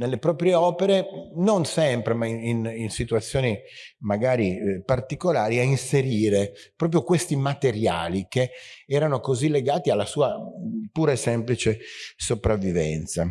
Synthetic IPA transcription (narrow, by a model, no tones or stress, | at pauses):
nelːepɾɔːpɾjeɔːpeɾenonsɛmpɾemaiininsit̪uat̪sːjoːnimaɡaːɾipart̪ikolaːɾiainseɾiːɾe | pɾɔːp̬ɾjokwest̪imat̪eɾja̰ːlikeɛːɾanokozilːeɡaːt̪ialːasuːapuːɾasɛmplit͡ʃesopɾavːivɛ̰nt̪sa